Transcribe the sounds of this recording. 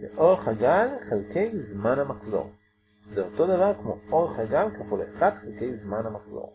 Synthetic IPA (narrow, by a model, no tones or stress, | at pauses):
beʔo̞ʁeχhaɡalχelke̞jzmanhamaχzo̞̰ʁ | zeoto̞d̪avaʁkmo̞̰o̞ʁeχhaɡalkafuleχad̪χelke̞jzmanhamaχz̥o̰ʁ